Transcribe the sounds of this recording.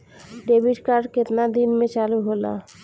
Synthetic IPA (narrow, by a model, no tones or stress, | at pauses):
ɖebʱiʈkaɾɖket̪nad̪inmet͡ʃaluɦola̰